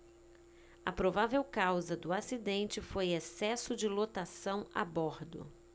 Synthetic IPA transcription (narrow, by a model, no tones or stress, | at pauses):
ɐpɾovavewkawzɐd̪ʊasid̪ẽnt͡ʃɪfojesɛsʊd͡ʒɪlot̪asɐ̃w̃a̰boɾd̪ʊ̰